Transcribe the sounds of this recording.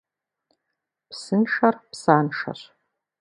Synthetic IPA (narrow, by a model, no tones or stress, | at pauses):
pʰsɨnʂarpsaːnʂa̰ɕʷ